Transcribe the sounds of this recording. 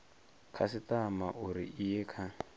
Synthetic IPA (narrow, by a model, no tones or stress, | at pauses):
kʰasitamaʔuɾḭʔijɛkʰa